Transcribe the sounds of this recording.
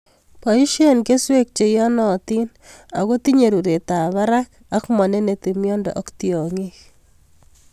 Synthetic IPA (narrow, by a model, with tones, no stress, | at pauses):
pɔ˨i˦ʃe˦˨nke˦swe˦k̚t͡ʃe˨jɔ˦nɔ˨t̪i˦n | a̰˨ɣo˦t̪i˦ɲe˨ɾu˨ɾe˨t̪a˨βa˦ɾa˦k | a˦kmɔ˨ne˦ne˨t̪i˨mjɔ˦ndɔ̰˨ʔɔ˦kt̪jɔ˨ŋik